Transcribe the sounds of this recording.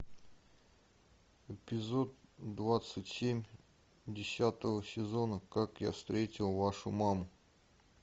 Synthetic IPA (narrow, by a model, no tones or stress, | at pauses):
ɪpʲɪzot̪̚d̪vat̪sɨtʲsʲemʲ | dʲɪsʲat̪əvəsʲɪzonəkakja̰fst̪ɾʲetʲɪlˠvaʂʊmamʊ